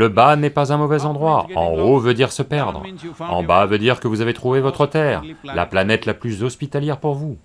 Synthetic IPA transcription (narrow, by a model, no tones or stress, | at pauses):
ləbanɛpazɛ̃mɔvɛzɑ̃d̪ʁwaɑ̰̃ovød̪iʁsəpɛʁd̪ʁɑ̰̃bavød̪iʁkəvuzavet̪χuvevɔt̪χət̪ɛːʁla̰planɛt̪laplyzɔspit̪aljɛʁpuʁvu